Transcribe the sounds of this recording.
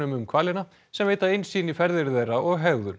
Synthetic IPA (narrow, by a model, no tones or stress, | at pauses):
ʏmʏmkʰvaːlɪna | sɛmveːjt̪aɪnsiːnifɛɾðɪɾθejraɔɣɦɛɣðʏɾ